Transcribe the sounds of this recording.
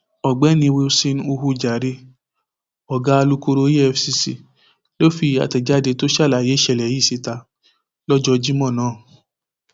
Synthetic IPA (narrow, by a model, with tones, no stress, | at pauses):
ɔ˨ɡ͡bɛ˨˦nĩ˧we˧si˧ñ˦u˧hu˧d͡ʒa˨ɾe˧˦ | ɔ˨ɡa˦˧lu˦ko˧ɾo˧˦je˦ɛ˧fsi˧si˧˨ | lo˦fi˧a̰˨tɛ˨d͡ʒa˦de˧to˦ʃa˦˨la˨je˨˦ʃɛ˧˨lɛ˨ji˦˨si˨˧ta˧ | lɔ˦d͡ʒɔ˧d͡ʒi˦mɔ̃˦˨nãː˦˨